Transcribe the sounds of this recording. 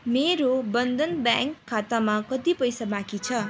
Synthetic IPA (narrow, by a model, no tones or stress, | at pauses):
meɾobʌnd̪ʌnbjãŋkʰːat̪amakʌt̪ipʌjsabãkit͡sʰʌ